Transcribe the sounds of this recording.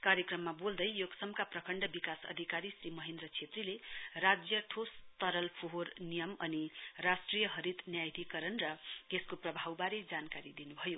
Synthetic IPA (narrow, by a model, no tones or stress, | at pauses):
kaɾjekrʌmːabold̪ʌjjoɡsʌmkaprʌkʰʌɳɖʌbikasʌ̰d̪ʱikaɾisɾimʌɦend̪ɾʌt͡sʰet̪rilerad͡zjʌʈʰost̪ʌɾʌlpʰoɦornijʌmʌnirasʈrijʌɦʌɾit̪njajd̪ʱikʌɾʌnrʌkeskoprʌbʱawbaɾed͡zankaɾid̪inubʱʌjo